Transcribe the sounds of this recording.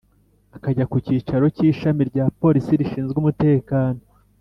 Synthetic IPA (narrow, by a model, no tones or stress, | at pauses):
akaɟakuciːt͡ʃaɾo̞ciːʃamiɾɟaːpo̞ɾisiɾiʃiːnzɡumute̞ːkaːno̞